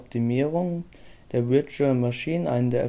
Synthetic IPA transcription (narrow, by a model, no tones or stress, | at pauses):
p̚tʰimiːʁʊŋ | d̥eːɐvɪɐt͡ʃlmaʃiːnənʔa̰ɪnədeːɐ